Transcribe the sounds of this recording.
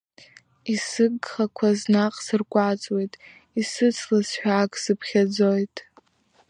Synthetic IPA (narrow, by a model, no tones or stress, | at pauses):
isɨɡχakʷʰaznaqʼsɨrkʷʼat͡sʼwe̞jtʼ | isɨt͡sʰlasħᶣaːkʼsɨpʰχʲad͡zojtʼ